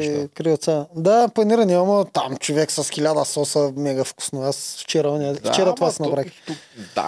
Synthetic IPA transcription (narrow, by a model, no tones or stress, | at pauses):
kɾiot̪sad̪aplˠɐniɾɐniamot̪amt͡ʃovɛksɐsxʲilʲad̪əsɔsəmɛɛɡɐfku̥snoasft͡ʃɛɾɐɔniəft͡ʃɛɾət̪ovasnɐpɾakkʲi̥a̰